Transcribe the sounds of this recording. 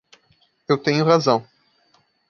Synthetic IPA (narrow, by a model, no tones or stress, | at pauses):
ewt̪ẽɲʊʁazɐ̃w̃